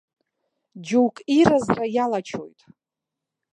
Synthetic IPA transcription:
d͡ʒuwkʼirazrajalat͡ʃʰo̰jtʼ

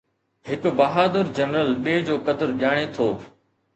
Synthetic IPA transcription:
ɦɪkʊbɐɦaːd̪əɾd͡ʑɐnɾəlɓeːd͡ʑoːkɐd̪əɾʄaːɽ̃et̪ʰoː

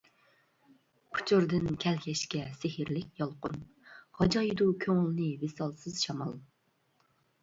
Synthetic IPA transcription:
kʰʊ̥t͡ʃʰyɾd̪ɪnkʲʰɛlkʲɛʃkʲɛsɪhɪɾlɪkʲjɑlˠqʊ̰n | hɑd͡ʒɑjd̪ukʲʰøŋɪlˠnɨvesɑlˠsɨz̥ʃɑmɑ̰lˠ

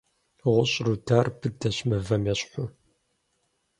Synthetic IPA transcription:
ʁʷʊɕʼrudʰaːrbʰɨdɐɕmɐvɐmɛɕʼħʷʊ

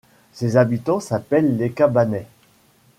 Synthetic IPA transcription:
sezabit̪ɑ̃sapɛlːekabanɛ

